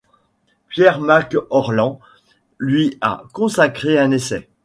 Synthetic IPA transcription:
pjɛʁmakɔʁlɑ̃ | lɥia̰kɔ̃sakχeɛ̃nesɛ

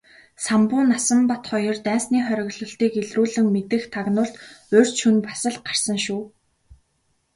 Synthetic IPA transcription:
sampʊːnasə̆mpat̪χɔjɞ̆rt̪æːnsniːχœɾʲɪ̆ɣɮɞ̆ɬt̪iːkeɮruːɮɘ̆ŋmet̪ɘ̆xt̪ʰaɣnʊːɬt̪ɵr̥ʲt͡ɕt͡ɕʰunpḁsə̆ɮɢar̥sə̆ŋʃuː

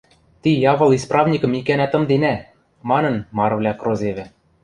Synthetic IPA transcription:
t̪ijɑvɤ̆lˠisprɑvnʲikɤ̆mikænæt̪ɤ̆md̪enæ | mɑnɤ̆nmɑrvlʲækrozevɘ̆

